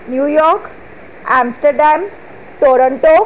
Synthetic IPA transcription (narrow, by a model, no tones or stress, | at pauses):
njujɔɾk | æmsʈəɾɖam | t̪oɾəɳʈo